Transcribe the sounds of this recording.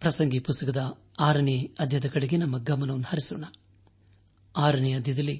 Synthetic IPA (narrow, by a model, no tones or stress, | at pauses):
pɾɐsɐŋɡipust̪ɐkɐd̪ɐ | aːɾɐɳiɐd̪ʱjɐd̪ɐkɐɽeɡenɐmːɐɡɐmɐnɐʋɐnːuhɐɾisuːɳɐ | aːɾɐɳijɐd̪ʱjɐd̪ɐlːi